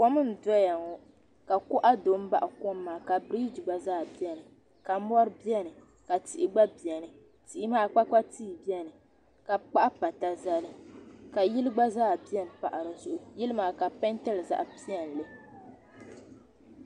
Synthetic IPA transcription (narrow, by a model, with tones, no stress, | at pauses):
kɔ˦mɨ˦n̩˨dɔ˦ja˨ŋɔ˦ | ka˨kʊ˦ʔa˦do˨˦m̩˦ba̰˦ʔa˨ko˦mː˦aː˨ka˨bɾiː˦d͡ʒi˨ɡ͡ba˦zaː˦bi˦ɛ˦nɨ˨ | ka˨m˦ɔ˦ɾɨ˦bi˦ɛ˦nɨ˨ | ka˨ti˨ʔi˨ɡ͡ba˦bi˨ɛ˨nɨ˨ | ti˨i˦maː˦k͡pa˦k͡pa˦tiː˦˨bi˦ɛ˦nɨ˨ | ka˨k͡pa˦ʔa˦pa˨ta˦za˦lɨ˦ka˨ji˦lɨ˦ɡ͡ba˦zaː˦˨bi˦ɛ˦n˨pa˨ʔa˨ɾɨ˨zʊ˨ʔʊ˨jɪ˦lɨ˦maː˨ka˨pɛ˦ntɛ˦lɨ˨za̰˦ʔpi˦ɛ˨n˨lɨ˦